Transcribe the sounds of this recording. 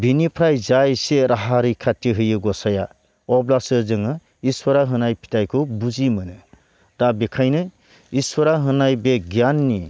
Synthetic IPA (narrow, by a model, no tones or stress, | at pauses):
bʱinipʰɾajd͡ʒajseɾʔaɦaɾɯkʰatːiɦɯjɯɡɔsaja | ɔblasɯzɯŋɯ | iswɔɾaɦɯnajpʰi̥tajkʰubud͡ʒimɯnɯ | tabekʰajnɯ | iswɔɾaɦɯnajbeɡjanːi